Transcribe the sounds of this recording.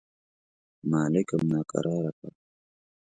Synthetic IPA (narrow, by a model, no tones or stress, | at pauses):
maːlɪkəmnaːkʼa̰ɾʔaːɾaka